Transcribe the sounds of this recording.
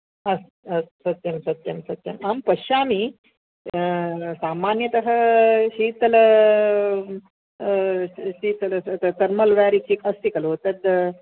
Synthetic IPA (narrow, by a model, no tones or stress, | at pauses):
ɐs | ɐssɐt̪jɐmsɐt̪jɐmsɐt̪ːjɐmampɐɕaːmi | saːmanjɐt̪əɦəɕiːt̪ːɐlə | ɕiːt̪ːɐlət̪ɐɾmɐlʋaɾik̚t͡ɕiːkɐst̪ikɐlot̪ɐt̪